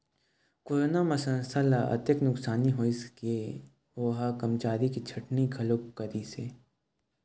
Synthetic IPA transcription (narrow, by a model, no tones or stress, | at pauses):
koːɾoːnamasɐ̃nsalaʔɐ̰t̪jəknʊksaːniɦoːiske | oːɦakɐmt͡ʃaːɾikit͡ʃʰɐʈnikʰɐlopkɐɾiseː